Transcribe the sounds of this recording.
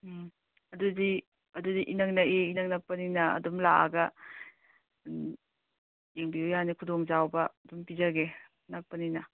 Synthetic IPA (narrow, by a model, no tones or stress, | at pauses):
ɐdudi | ɐdudiʔinak̚naʔeinaŋnak̚pɐninɐɐ̰dumlaa̰ɡɐ | eŋbiujanikʰudɔŋzawbɐɐdumpizaɡe | nak̚pɐninɐ